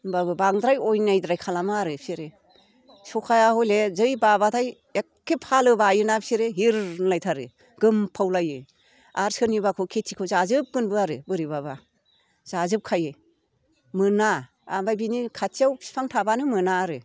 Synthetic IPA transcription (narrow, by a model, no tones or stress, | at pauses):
babɯbaŋdɾajɔjnajdɾajkʰalamaɾɯpʰiɾe | sɔkʰajahɔjlezɯjbabatʰaj | ekʰːepʰalɯbajɯnapsiɾeɦiɾlajtʰaɾɯ̰ | ɡɯmpʰawlajɯ | aɾsɯnibakʰɯkʰetʰikʰɯwzazɯp̚ɡɯnbɯaɾɯ̰bɯɾibaba | z̥azɯp̚kʰajɯ | mɯna | abajbinikʰatʰijawpʰi̥pʰaŋtʰabanɯmɯnaːɾɯ